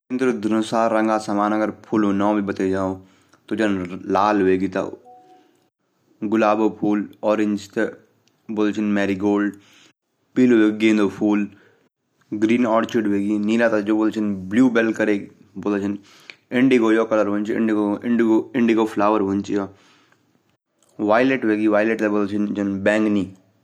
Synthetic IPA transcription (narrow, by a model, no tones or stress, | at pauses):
ɪnd̪ɾod̪ʱənʊsaːɾːəŋɡaːsamaːnɐɡəɾpʰuloːnɔ̃ːbʱibət̪eːd͡ʒaːoː | t̪oːd͡ʒɐnlaːlɦʊeːɡiːt̪a̰ | ɡʊlaːboːpʰuːlɔːɾɪɲd͡ʒt̪e | bolt͡ʃʰɪnmɛːɾiɡoːlɖ | piːloʋeːɡẽːnd̪opʰuːl | ɡɾiːnɔːɾt͡ʃiɖʋeːɡiniːɾaːt̪ad͡ʒoːboːlt͡ʃʰinbluːbelkɐɾeː | boːlet͡ʃʰin | ɪɳɖiɡoːjoːkɐləɾʋont͡ʃiɪ̰ɳɖioɪɳɖɡoɪɳɖiɡoːfʰlaːʋəɾʋunt͡ʃio | ʋaːjleʈʋeːɡiʋaːjleʈt̪ebolt͡ʃʰint͡ʃɐnbɛ̃ːŋɡniː